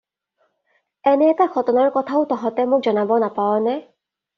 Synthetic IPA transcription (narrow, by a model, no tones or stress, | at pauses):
ɛnɛːtakʰɔtɔnaɹkɔtʰaʊtɔɦɔtɛmʊk̚zɔnabɔnapaɹɔnɛ